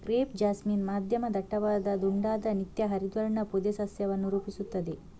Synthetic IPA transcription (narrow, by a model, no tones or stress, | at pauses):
ɡɾeːpd͡ʒaːsmiːnmaːd̪ʱjɐmɐd̪ɐʈːɐʋaːd̪ɐd̪uɳɖaːd̪ɐnit̪jɐɦɐɾid̪ʋɐɾɐɳɐpud̪esɐsjɐʋɐnːuɾuːpisut̪ːɐd̪e